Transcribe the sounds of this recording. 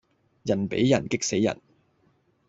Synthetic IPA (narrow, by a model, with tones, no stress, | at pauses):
jɐ˨˩npḛ˨˥jːɐ˨˩nkɪ˥k̚se˨˥jːɐ̰˨˩n